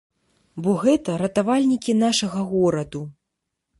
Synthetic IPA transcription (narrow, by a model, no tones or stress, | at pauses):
bɔɣɛt̪ɐɾɐt̪avalʲnʲikʲin̪aʂɐɣɐɣɔɾɐd̪u